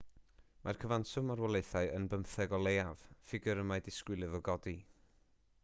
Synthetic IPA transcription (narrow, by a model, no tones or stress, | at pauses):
mʔarkʰəvansʊmarwɛlˠeɨθaɨənbəmθɛɡɔlˠejav̥fɪɡɪɾəmajdɪskwɪlˠɨðɔɡɔdi